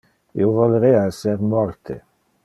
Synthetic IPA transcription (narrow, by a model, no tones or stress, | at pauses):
ḭovolɾeaɛseɾmɔɾt̪ʰḛ